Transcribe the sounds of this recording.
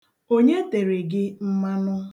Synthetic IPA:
o˦ɲe˦te˨ɾe˨ɡɪ˦m̩˦ma˦nʊ˦

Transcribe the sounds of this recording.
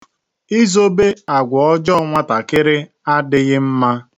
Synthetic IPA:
i˦zo˦be˦a˨ɡʷɔ˨ɔ˦d͡ʒɔ˦ŋʷa˦ta˨kɪ˦ɾɪ˦ | a˦dɪ˦ɣɪ˦m̩˦ma˦

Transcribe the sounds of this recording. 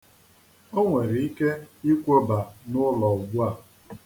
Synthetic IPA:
o˦ŋʷe˨ɾi˨i˦ke˦i˦kʷo˦ba˨nʊ˦lɔ˨ɡ͡bu˦a˦˨

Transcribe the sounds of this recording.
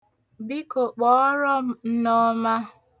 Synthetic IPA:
bi˦ko˨k͡pɔ˦ɾɔ˦m̩˦˨n̩˦nɔ˦ma˦

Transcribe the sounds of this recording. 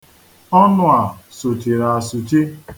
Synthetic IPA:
ɔ˦nʊ˦a˨sʊ˨ti˨ɾa˨sʊ˨ti˦

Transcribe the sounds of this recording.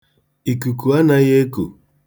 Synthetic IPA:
i˨ku˨ku˨a˦na˦je˦ko̰˨

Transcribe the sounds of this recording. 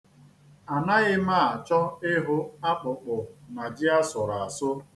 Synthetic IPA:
a˨na˦ɣɪ˦ma˦˨a˨t͡ʃɔ˦ɪ˦ɦʊ˦a˦k͡pʊ˨k͡pʊ˨na˨d͡ʒɪ˦a˦sʊ˨ɾa˨a˨sʊ˦

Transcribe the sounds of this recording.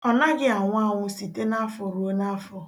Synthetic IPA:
ɔ˦na˦ɡɪ˦a˨ŋʷ˦a˦˨ŋʷʊ˦si˨te˦na˦fɔ˨ɾu˨˦o˦na˦fɔ˨

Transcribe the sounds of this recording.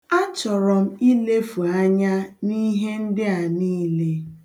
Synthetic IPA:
a˦t͡ʃɔ˨ɾɔ˨m̩˦i˦le˦fu˨a˦ɲa˦ni˦ɦe˦n̩˦dɪ˦a˨niː˦le˦

